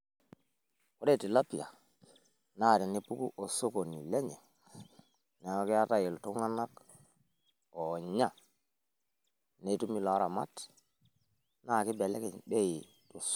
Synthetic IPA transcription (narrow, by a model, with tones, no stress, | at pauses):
o˨˦de˦˨ti˨la˦pi˨a˨ | na˦˨di˨ni˦pu˦kṵ˦ʔo˨so˦ko˨ni˨le˦ɲe˨ | ne˨˦o˦ki˦a˦ta˦ji˨ltu˦ŋa˦na˦k | o˨ɲa˦˨ | ne˨˦tu˦mi˦la˨˦ɾa˨ma̰˦t | na˦˨ki˦be˨le˦ke˨be˦i˨ | to˨s